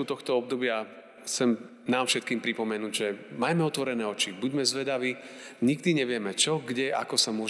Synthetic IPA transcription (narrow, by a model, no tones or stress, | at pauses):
ut̪ɔxt̪ɔɔb̚d̪ɔbɪa | xsɛm | naːmfʃɛt̪̚kiːmpɾipɔmɛnuːɟʒɛmajmɛɔt̪ʋɔɾɛnɛːɔt͡ʃibuɟmɛzʋɛd̪aʋiɲiɡd̪iɲɛʋɪɛmɛt͡ʃɔɡɟɛʔa̰kɔsamʊɔʒ